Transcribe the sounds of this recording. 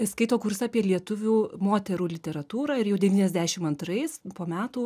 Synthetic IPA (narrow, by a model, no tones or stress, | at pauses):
skɐɪt̪oːkʊɾsɐɐpʲiɛlʲiɛt̪ʊʋʲuːmoːt̪ʲɛɾuːlʲɪt̪ʲɛɾɐt̪uːɾɑːɪɾjɛʊd̪ʲɛʋʲiːnʲɛzʲd̪ʲæːʃʲɪmɐnt̪ɾɐɪspoːmʲæːt̪uː